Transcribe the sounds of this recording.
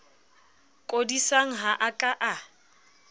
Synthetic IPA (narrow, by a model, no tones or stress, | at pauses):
kʼodisaŋ̩ɦaʔakʼaʔa